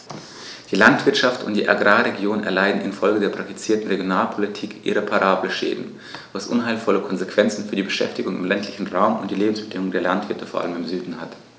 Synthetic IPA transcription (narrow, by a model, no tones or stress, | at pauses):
d̥iːlantv̥ɪɐtʃaftʊ̰ntd̥iːʔa̰ɡʁaːʁeɡjoːnɛ̰ɐlaɪdn̩ɪ̰nfɔlɡədeːɐpʁ̥ak̚ti̥t͡siːɐtn̩ʁeɡjonaːlpʰolitʰiːkʔḭʁepʰaʁaːbləʃḛːdn̩ | vasʔʊ̰nɦaɪlfɔləkʰɔnzekv̥ɛnt͡sn̩fyːɐdiːbəʃɛ̰ftɪɡʊŋɪ̰mlɛntʰlɪçn̩ʁaʊmʊnt̚d̥iːleːbm̩sb̥ədɪŋʊŋdeːɐlantv̥ɪɐtəfoːɐʔa̰ləmɪmzyːdn̩hat